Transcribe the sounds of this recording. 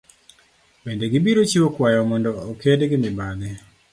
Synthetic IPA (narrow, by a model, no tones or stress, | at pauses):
bendeɡɪbiɾot͡ʃiwokwajɔmɔndɔːkedɡɪmɪbad̪ɛ